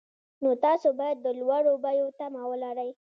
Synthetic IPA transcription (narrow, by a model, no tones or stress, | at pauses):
not̪ɑsobɑjad̪ːəlwaɽobajot̪amawəlaɾəj